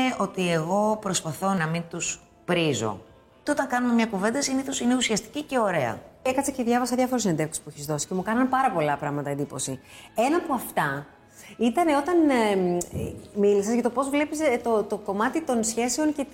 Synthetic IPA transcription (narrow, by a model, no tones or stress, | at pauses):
eo̞t̪ieɣo̞pɾo̞spɐθo̞nɐmint̪us | pɾizo̞̰ | teo̞t̪ɐŋkɐnumemɲɐkuve̞nd̪ɐsiniθo̞sineusiɐst̪i̥cice̞o̞ɾe̞ɐ̰ekɐt͡sɐceðʝɐvɐsɐðʝɐfo̞ɾusend̪e̞ɾkse̥pueçizðo̞si̥ce̞mukɐnɐnpɐɾɐpo̞lɐpɾɐɣmɐt̪ɐend̪ipo̞̰sie̞nɐːpoɐft̪ɐ | it̪ɐne̞o̞t̪ɐn | milisɐzʝɐt̪opo̞zvle̞pist̪ot̪o̞ko̞mɐt̪it̪o̞nsçe̞seo̞nce̞